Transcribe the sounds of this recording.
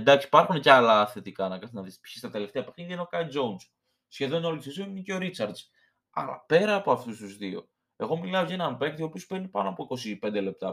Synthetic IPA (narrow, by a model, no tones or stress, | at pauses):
end̪ɐksi̥pɐɾxuneceɐlɐθe̞t̪ikɐnɐkɐt̪nɐðispçi̥st̪ɐt̪e̞le̞ft̪eɐpeçinðenokɐid͡zo̞uns | sçe̞ðo̞nolsisoninceo̞ɾit͡sɐɾd̪z̥ | ɐ̰ɾɐ̰pe̞ɾɐːpo̞ɐft̪ust̪uzðio̞̰ | e̞ɣo̞milɐoʝeenɐmpe̞k̚t̪io̞pio̞speɾnipɐnoɐpo̞iko̞sipe̞nd̪e̞le̞p̚t̪ɐ